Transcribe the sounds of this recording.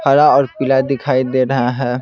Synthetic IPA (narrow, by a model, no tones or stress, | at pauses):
pʰəɾaɔːɾpɪlad̪ɪkʰaːid̪eɾəɦaɦɛː